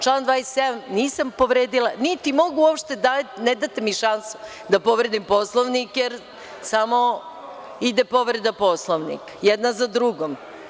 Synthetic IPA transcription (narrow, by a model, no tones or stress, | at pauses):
t͡ʃlˠand̪ʋaːisːed̪amniːsampo̞ʋɾeːd̪ilanit̪imo̞ɡuopʃt̪e̞d̪aned̪at̪emiʃansu̥ | d̪apoʋɾed̪impo̞slˠoʋnikjeɾ | samo | id̪epo̞ʋɾe̞d̪apo̞slˠoʋnḭkjed̪nazad̪ɾuɡom